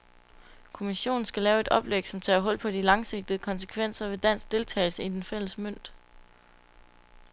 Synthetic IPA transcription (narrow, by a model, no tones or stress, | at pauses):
kʰo̝miɕo̝̰ːn̩sɡ̥ælɛːʊe̝d̥ɒ̽b̥leɡ̥sɒ̽mt͡sʰɛ̰ːɦɔ̽l̰pʰɒ̽d̥ilɑ̈ŋse̝ɡ̥̚d̥əðəkʰɒ̽nsə̥kʰʋen̰sɐʋe̝d̥æn̰sɡ̥̚d̥e̝lt͡sʰɛ̰ːɪl̩səid̥enfel̰əsmøn̰d̥